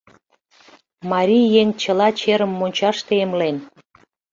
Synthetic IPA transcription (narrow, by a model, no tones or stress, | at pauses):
mɑɾʲijeŋt͡ɕəlɑt͡ɕeɾə̆mːonʲt͡ɕɑʃt̪eemlen